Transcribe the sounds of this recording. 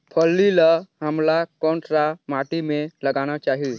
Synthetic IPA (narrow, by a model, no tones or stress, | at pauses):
pʰəlːilaɦəmlakɔːnsɾamaːʈimẽləɡaːnat͡ʃaːɦi